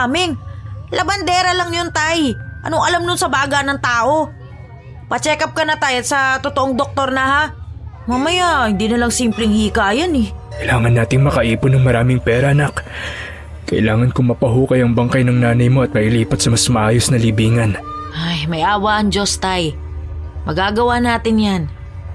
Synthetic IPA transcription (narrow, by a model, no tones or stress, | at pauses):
amɪŋlʔɐbɐnd̪ɛːɾɐlaŋjont̪ajʔɐ̰noŋɐlamnʊnsɐbaːɡɐnɐŋt̪aːʔo̞ | pɐt͡ʃɛːkɐp̚kɐnɐt̪ajɐt̪sɐt̪ot̪oʔoŋd̪ok̚t̪o̞ɾnɐɦamaːmɐjahɪnd̪iːnɐlɐŋsiːmplɛŋhiːkaʔɐjanɛkɐjlaːŋɐnːaːt̪ɪŋmɐkɐʔiːpʊnɐŋmɐɾaːmɪŋpɛːɾɐʔɐnak | kɐʔɪ̰laːŋɐnkʊŋmɐpɐɦuːkɐjɐŋbɐŋkajnɐŋnaːnɐjmo̞ʔɐt̪̚mɐʔɪliːpɐt̪sɐmasmɐʔaːjo̞snɐlibiːŋɐnʔajmɐjʔaːwaʔɐŋd͡ʒo̞st̪aj | mɐɡaːɡɐwaːnaːt̪ɪnjan